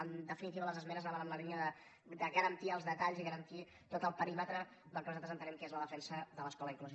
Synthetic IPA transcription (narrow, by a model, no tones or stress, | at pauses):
ənd̪əfinit̪iβələzəzmɛnəznaβanəmləlinəðə | d̪əɣəɾənt̪iəlˠzðət̪aʎziɣəɾənt̪i | t̪ot̪əlˠpəɾimət̪ɾə | d̪əlˠkənuzat̪əzənt̪ənɛmkezləðəfɛnsəðələskɔləiŋkluzi